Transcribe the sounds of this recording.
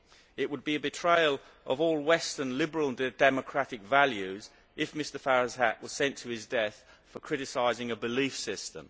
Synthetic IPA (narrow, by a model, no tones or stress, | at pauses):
ɪʔ̚wəd̚biɨbɨtʰɹ̥eɪəlˠ | ʔəvɔːlˠwɛstə˞nlɪbəɹələ̃nd̥ɛməkʰɹ̥aɾɪkvaljʉz | ʔɪfmɪstə˞faɹəz̥æʔwʌz̥sɛ̃ntʰəɪzdɛθ | fəkʰɹ̥ɪɾɨsaɪzɪ̃ŋəbɨliˑfsɪstə̰̃m